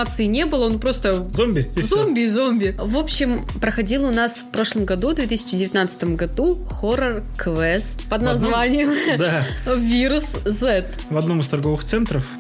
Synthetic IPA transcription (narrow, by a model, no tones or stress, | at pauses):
at̪sɨɪnʲe̞bɨlˠəonpɾo̞st̪əzomʲbʲɪzomʲbʲɪzo̞mʲbʲɪvo̞pɕːɪm | pɾəxɐdʲilˠʊnasfpɾo̞ʂlˠəmɡɐd̪uvd̪vʲe̞t̪ɨsʲɪ̥t͡ɕɪdʲɪvʲɪt̪ʲnat̪sɨ̥t̪əmɡɐd̪u | xoɾərkvɛst̪pəd̪nɐzvanʲɪjəmd̪avʲiɾʊszɛt̪ | vɐd̪no̞mɨst̪ɐrɡo̞vɨxt̪sɛnt̪ɾəf